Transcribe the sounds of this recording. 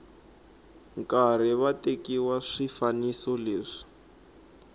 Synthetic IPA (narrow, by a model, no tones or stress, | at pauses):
ŋkar̤iβatekiwaʂifanisɔleːʂi̥